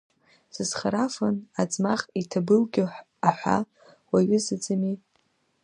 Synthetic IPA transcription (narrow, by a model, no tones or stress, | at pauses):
sɨzχaɾafanad͡zmaχʼitʰabɨlɡʲɪħ | aħʷa̰ | waɥɪzɨd͡zamitʼ